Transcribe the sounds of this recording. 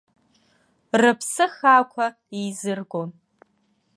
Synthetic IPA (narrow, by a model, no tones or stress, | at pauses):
rɨpʰsɨχaːkʷʰa | izɨrɡʷon